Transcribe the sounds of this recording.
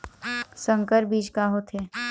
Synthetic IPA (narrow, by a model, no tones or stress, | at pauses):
sə̃ŋkəɾbiːd͡ʒkaɦot̪ʰeː